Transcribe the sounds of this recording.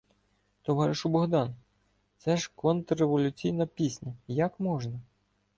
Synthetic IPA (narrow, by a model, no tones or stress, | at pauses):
t̪ɔʋɑɾʲɪʃʊbɔɦd̪ɑn | t̪sɛʒkɔnt̪reʋɔlʲʊt͡sʲijnɐpʲisʲnʲɐjɐkmɔʒnɐ